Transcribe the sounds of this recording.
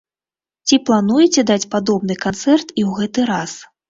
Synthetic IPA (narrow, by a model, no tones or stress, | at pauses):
t͡sʲiplˠanujɛt͡sʲɛd̪at͡sʲpad̪ɔb̚nɨkant̪sɛrt̪iwɣɛt̪ɨɾas